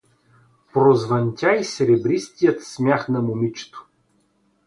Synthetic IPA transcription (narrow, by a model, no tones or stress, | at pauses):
pɾozvɐnʲt̪ʲaisɛɾɛbɾist̪ijət̪smʲjaxnɐmʊmit͡ʃɛ̥t̪o̥